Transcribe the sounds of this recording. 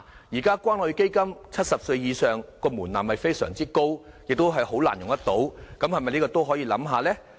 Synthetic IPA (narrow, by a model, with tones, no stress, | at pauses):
jiː˨˩kaː˥kʷaː˥nhɵ˨˧ɥke˥jkɐ˥mt͡sʰɐ˥t̚sɐ˨p̚sɵ˧ɥjiː˨˧sœː˨ŋkɔː˧muː˨˩nlaː˨˩mhɐ˨jfe˥jsœ̰ː˨˩ŋt͡siː˥ko˥wjɪ˨k̚t̪wɦɐ˨jho˨˥wla̰ː˨˩njʊ˨ŋt̪ɐ˥t̪̚o˨˥wkɐ˨˥mhɐ˨˩jmɐ˨jniː˥kɔː˧t̪o˥wɦɔː˨˥jiː˧lɐ̰˨˥mɦaː˨˧lɛː˥